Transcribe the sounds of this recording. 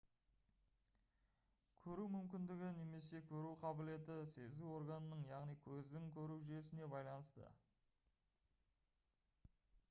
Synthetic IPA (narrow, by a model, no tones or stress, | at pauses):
kʲʰɵɾumʏmkʲɪnd̪ɪɡʲɪne̞me̞se̞kʲʰɵɾuqʰɑbɪle̞t̪ɪse̞zuwo̞ɾɡɑnənəɴjɑʁnijkʲʰɵzd̪ɪŋkʲʰɵɾuʒʏjesɪne̞bɑjlˠɑnəst̪ə̰